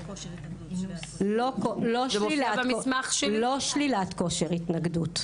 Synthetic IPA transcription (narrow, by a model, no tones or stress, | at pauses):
lokoloʃlilammaχʃloʃlilatko̞ʃeʁitnaɡdut